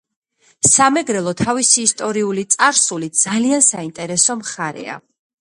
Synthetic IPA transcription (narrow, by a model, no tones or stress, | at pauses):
samɛɡɾɛlˠɔt̪ʰavisiːst̪ʼɔɾiulit̪sʼaɾsulid̪z̥aliansaint̪ʼɛɾɛsɔmχaɾɛ̰a̰